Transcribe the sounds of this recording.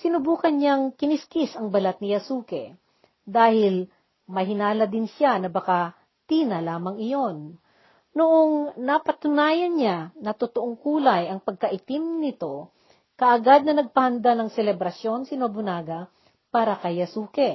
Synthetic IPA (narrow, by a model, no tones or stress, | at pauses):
sɪnʊbuːkɐnɲaŋkɪnɪskɪsɐŋbɐlat̪̚nɪjɐsuːkɛ̰ | d̪aːhɪl | mɐɦɪnaːlɐd̪ɪnʃanɐbɐka | t̪iːnɐlaːmɐŋɪjo̞n | noʔoŋnɐpɐt̪ʊnaːjɐnɲanɐt̪ʊt̪oʔoŋkuːlɐjɐŋpɐɡ̚kɐʔɪt̪ɪmnɪt̪o̞ | kɐʔɐɡad̪̚nɐnɐɡ̚pɐhɐnd̪anɐŋsɛlɛbɾɐsjo̞nsɪnobʊnaːɡɐ | paːɾɐkɐjɐsuːkɛ